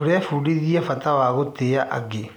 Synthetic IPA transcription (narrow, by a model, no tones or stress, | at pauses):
oɾɛfuːɽiðiafatawaːɣoteaʔa̰ɡe